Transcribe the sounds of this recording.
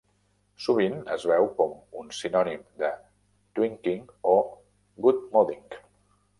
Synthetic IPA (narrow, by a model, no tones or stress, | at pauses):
suβinə̰zβɛwkɔmunsinɔnimd̪ə | t̪wiŋkiŋo | ɡut̪̚moðiŋk